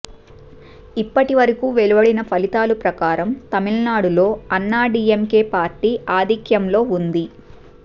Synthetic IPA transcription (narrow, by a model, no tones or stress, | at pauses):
ipːɐʈiʋɐɾɐkuːʋe̞lubɐɽinɐpʰɐlit̪aːlupɾɐkaːɾɐmt̪ɐmilnaːɽulo̞ːɐnːaːɖiːemke̞ːpaːɾʈiːʔaːd̪ʱikjɐmlo̞ːund̪i